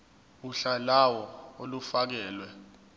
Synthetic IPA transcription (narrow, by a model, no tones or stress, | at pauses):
uɬalawɔolufak̬ɛːlwɛ